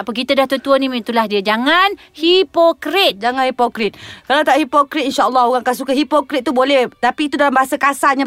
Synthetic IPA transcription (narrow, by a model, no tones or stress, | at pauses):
apək̬it̪adaht̪ut̪uənimit̪ulahdiəd͡ʒaŋan | hipokɾit̪̚d͡ʒaŋanhipokɾit̪̚kalawt̪aʔhipokɾit̪inʃaɔlːɔɦoɣaŋkaʔsukaɦipokɾit̪̚ːubolɛht̪apiːt̪udalambaɦasakasaɲã